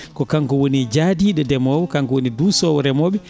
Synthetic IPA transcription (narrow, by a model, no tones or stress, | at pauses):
kɔkaŋkɔwonid͡ʒaːdiɗɛdɛmɔwɔkaŋkɔwonidusɔwɔɾɛmɔːɓɛ